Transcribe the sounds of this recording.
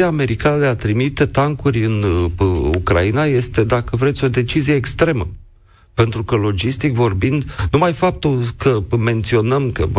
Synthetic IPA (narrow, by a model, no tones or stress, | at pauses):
iaːme̞ɾikanəd̪eat̪ɾimit̪e̞t̪aŋkurʲɨn | ṵkɾa̰inaje̞st̪e̞d̪akəvɾet̪sʲo̞d̪e̞t͡ʃizije̞ːkst̪ɾe̞mə | pe̞nt̪ɾukəlo̞d͡ʒist̪ikvo̞rbind̪numajfap̚t̪ulkəme̞nt̪sio̞nəmkə̰